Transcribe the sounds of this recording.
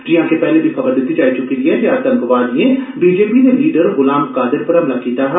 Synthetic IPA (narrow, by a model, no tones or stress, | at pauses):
d͡ʒɪɦãkepɛɦlebʱixɐbəɾd̪ʊt̪it͡ʃaːit͡ʃʊkeliẽd͡ʒeaːt̪ɐ̃mkʋaːd̪iẽbiːd͡ʒeːpineliːɖəɾɣʊlaːmkaːd̪ɪɾpɐɾɦɐmlakiːt̪aɦɛ